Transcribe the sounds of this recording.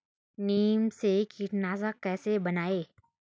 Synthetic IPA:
neːmsekʰiːʈnaːzakɛːsebɐnaːeː

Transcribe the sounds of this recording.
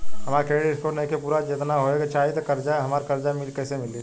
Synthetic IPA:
ɦɐmaːɾkeːɽiɪskoʈnɐikepuːɾad͡ʒɪt̪naɦoeɡat͡ʃaːet̪okɐɾd͡ʒaɦɐmaːɾkɐɾd͡ʒamɪlkɛːsemɪli

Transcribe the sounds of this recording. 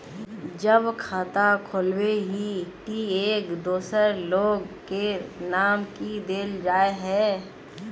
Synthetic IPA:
d͡ʒəbkʰaːt̪akʰoːlweɦiʈieːkd̪oːsəɾloːɡkenaːmkid̪eːld͡ʒaːeɦɛː

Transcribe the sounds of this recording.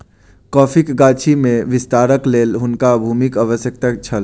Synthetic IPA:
kɔːpʰikɡaːt͡ʃʰimẽʋɪst̪aːɾəkleːlɦʊnkabʱuːmikaʋəsjək̚t̪akt͡ʃʰəl

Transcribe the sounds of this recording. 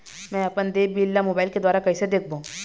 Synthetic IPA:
mɛ̃ːɐpənd̪eːbiːlːamoːbaːɪlked̪waːɾakɐɦised̪eːk̚ʰbõː

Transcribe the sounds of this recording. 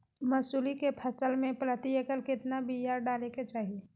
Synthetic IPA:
məsuːlikepʰəsəlmẽpɾət̪iekəlkɪt̪nabijaːɾɖaːleket͡ʃaːɦie

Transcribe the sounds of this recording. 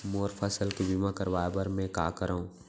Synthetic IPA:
moːɾpʰəsəlkibimãkəɾʋaːebɐɾmɛ̃ka̰ːkəɾaːũː

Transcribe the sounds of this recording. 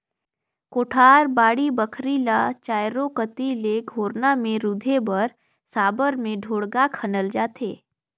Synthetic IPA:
koːʈʰaːɾbaːɽibəkʰɾilat͡ʃaːjɾokət̪ileɡʱoːɾnamẽɾud̪ʱebəɾ | saːbəɾmẽɖʱoːɽɡakʰənəld͡ʒaːt̪ʰḛː

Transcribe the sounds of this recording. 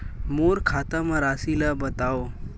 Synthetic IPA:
moɾkʰat̪amãɾasilabət̪ao

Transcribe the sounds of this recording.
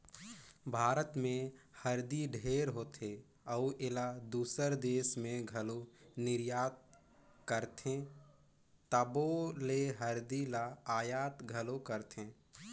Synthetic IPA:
bʱaːɾət̪mẽhəɾd̪iɖʱeːɾɦoːt̪ʰe | əuʔɪlad̪uːsəɾd̪eːsmẽɡʱəlonɪɾjaːt̪̚ | kəɾt̪ʰẽ | t̪əboleɦəɾd̪ilaaːjaːt̪ɡʱəlokəɾt̪ʰẽː

